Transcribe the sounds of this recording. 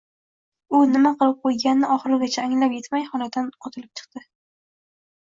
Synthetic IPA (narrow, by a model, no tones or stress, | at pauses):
ʊnɪmaqɨlˠɪp̚qʰojɡʲanːɪʔɒχɨɾɪɡʲat͡ʃʰaːŋlapje̞t̪majχɒlad̪anqʰot̪ʰɪlɪp̚t͡ʃʰɨ̥q̚t̪ɪ